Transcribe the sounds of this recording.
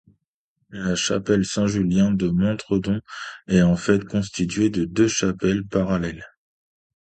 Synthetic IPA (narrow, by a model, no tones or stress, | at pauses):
laʃa̰pɛlsɛ̃ʒyljɛ̃d̪əmɑ̃t̪χəd̪ɔ̃ɛɑ̃fɛt̪kɔ̃st̪it̪ɥed̪əd̪øʃapɛlpaʁalɛl